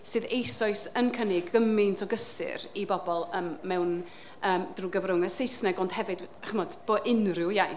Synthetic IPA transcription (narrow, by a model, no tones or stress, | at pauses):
sɨːðejsɔɨsənkʰənɪɡəmɪntʰɔɡəsɨ̰ɾibɔbɔlˠəːmmɛwn | əːmd̥ruːɡəvrʊŋəsejsnɛɡond̥hɛvɨdaχəmɔd̥b̥oʔɪnrɪwjaj